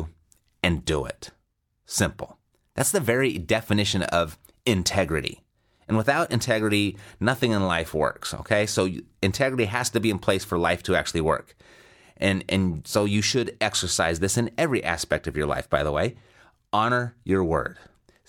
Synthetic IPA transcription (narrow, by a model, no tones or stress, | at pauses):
ɨ̃ndəɪ̰t̚ | sɪ̃mpl̩ˠ | ðætsðɨvɛɹidɛfɨnɪʃɨ̃nʌv | ɨ̃ntʰɛɡɹɨɾḭ | ɨ̃nwəθaʊɾɨ̰̃ntʰɛɡɹɨɾinʌθɪ̃ŋə̃nlaɪfwɜ̰˞kso̰ʊkʰeɪsoʊɨ̃ntʰɛɡɹɨɾiɦæz̥tɨbiɨ̃npʰl̥eɪsfə˞laɪftʰɨæ̰k̚t͡ʃʉl̩ˠiwɜ̰˞k | ʔɨ̃nɨ̰̃nsoʊjɨʃɨɾɛksə˞saɪzðɪsɨ̃nɛvɹiʔæ̰spɛk̚tʌvjə˞la̰ɪfb̥aɪðəweɪ | ɑñə˞jə˞wɜ̰˞d̥